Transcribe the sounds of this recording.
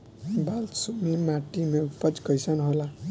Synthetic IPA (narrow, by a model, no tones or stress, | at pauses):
balsumimaʈimeupʌt͡ʃkʌjsanɦola